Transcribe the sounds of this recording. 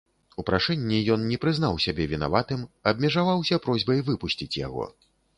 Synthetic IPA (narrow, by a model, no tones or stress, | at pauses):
upɾaʂɛnʲːijɔnnʲɛpɾɨznawsʲabʲɛvʲina̰vat̪ɨmɐb̚mʲɛʐavawsʲɐpɾɔzʲbɐjvɨpusʲt͡sʲit͡sʲja̰ɣɔ̰